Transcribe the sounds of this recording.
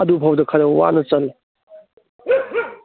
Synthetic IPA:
ɐdubʱawdɐkʰɐɾɐwa̰nɐt͡ʃɐl

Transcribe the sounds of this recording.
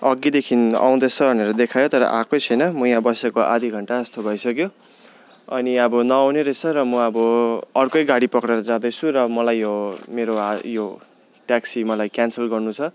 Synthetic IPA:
ʌɡid̪ekʰina̰w̃d̪ʌt͡sʰʌbʱʌneɾʌd̪ekʰajot̪ʌɾʌ̰ʔakot͡sʰʌjnʌmʌjãbʌsekoʔa̰d̪ʱiɡʱʌɳʈaʌst̪obʱʌjsʌkjo | ʌniʌbʌnʌawneɾʌt͡sʰʌɾʌmʌʌbʌʌrkojɡaɽipʌkɽeɾʌd͡zãd̪ʌt͡sʰuɾʌmʌlajːomeɾoajo | ʈaksimʌlajkjansʌlɡʌrnut͡sʰʌ

